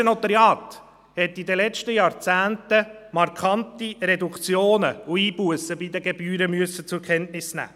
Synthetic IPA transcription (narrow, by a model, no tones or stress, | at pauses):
ənɔt̪ɑɾjɑːt̪ | hɛtːid̪əlɛt͡ʃtəjɑːɾt͡sæːntəmɑɾkʰχɑntiɾɛdukt͡sjoːnəuiːbuəsəbid̪əɡɛbyːɾəmyəsət͡sʊɾkʰɛntnɪsnæ̰ː